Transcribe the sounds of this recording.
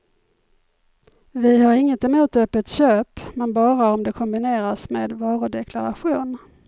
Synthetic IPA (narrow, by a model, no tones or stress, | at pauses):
vɪhaɾɪŋːət̪ɛmuːt̪œpːət̪ɕøːpmɛnbɑːɾaɔmd̪ɛkʰɔmbɪneːɾasmeːd̪vɑːɾʊd̪ɛkʰlaɾa̰ɧuːn